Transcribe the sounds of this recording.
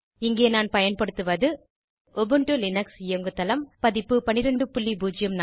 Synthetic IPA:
ɪŋɡeːnaːnpɐjɐnpɐɽɯt̪ːɯʋɐðɯ | ɔbɯɳʈɯlɪnɐksɪjoŋɡɯt̪ːɐlɐmpɐðɪpːɯpɐnɪɾɐɳɖɯpʊɭːibuːd͡ʒɪjɐmna

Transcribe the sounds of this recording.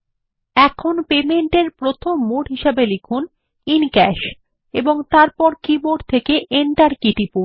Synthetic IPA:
ɛkʰonpemeɳʈeɾpɾot̪ʰomːuɽɦiʃabelikʰun | inkɛʃ | eboŋt̪aɾpɔɾkiboɖt̪ʰekeʔeɳʈaɾkiʈipu

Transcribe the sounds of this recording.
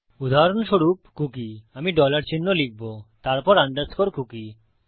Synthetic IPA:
ud̪ʱaɦaɾonʃoɾup̚kukiamiɖɔlaɾt͡ɕinːolik̚bot̪aɾpɔɾand̪ad͡ʑkoɾkuki

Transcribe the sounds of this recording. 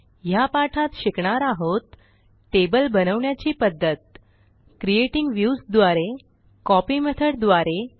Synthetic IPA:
japaʈʰat̪ɕikɳaɾaɦot̪̚ | ʈebəlbənəʋɳjat͡ɕiːpəd̪ːət̪̚ | kɾieʈiŋɡʋjusd̪ʋaɾe | kɔpiːmət̪ʰəɽd̪ʋaɾe

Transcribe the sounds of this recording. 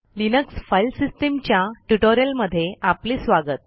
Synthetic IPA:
linəksfajlsisʈemt͡ɕjaʈuʈoɾijəlməd̪ʱːjeʔapliːsʋaɡət̪̚

